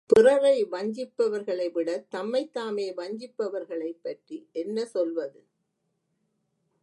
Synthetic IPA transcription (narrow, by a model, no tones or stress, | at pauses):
pɪrɐɾɐɪʋɐɲd͡ʒɪpːɐʋɐɾɣɐɭɐɪʋɪɽɐt̪ɐmːɐɪt̪ːaːmeːʋɐɲd͡ʒɪpːɐʋɐɾɣɐɭɐɪpːɐʈriʔɛnːɐsɔlʋɐðɯ